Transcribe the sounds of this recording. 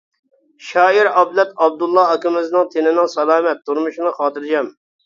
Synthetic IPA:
ʃɑːiɾɑblɛt̪ɑb̚d̪ulˠːɑɑkʲɪmɪznɨŋt̪ʰɪnɪnɪŋsɑlˠɑːmɛt̪ʰːuɾmuʃnɨχɑːt̪ʰɨɾd͡ʒɛm

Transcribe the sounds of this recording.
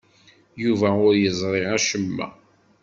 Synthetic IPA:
juvæʊɾjəzˤɾˤɪʕæʃəmːæ̰

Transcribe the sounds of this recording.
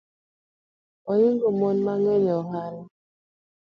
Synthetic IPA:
ɔjiŋɡomonmaŋeɲɔɦala

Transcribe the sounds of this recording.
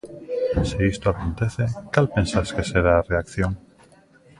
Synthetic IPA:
siist̪oakont̪eθet̪alpensaskeseɾaːreakθjoŋ

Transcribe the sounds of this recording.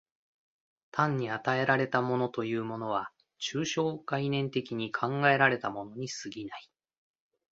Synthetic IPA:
t̪ʰãɲ̟ːiat̪ae̞ɾaɾe̞t̪amo̞no̞t̪o̞jɯːmo̞no̞β̞a | t͡ɕɨːɕo̞ːɡainẽ̞nt̪e̞kʲiɲ̟ikʰãŋɡae̞ɾaɾe̞t̪amo̞no̞ɲ̟isɨɡʲinai

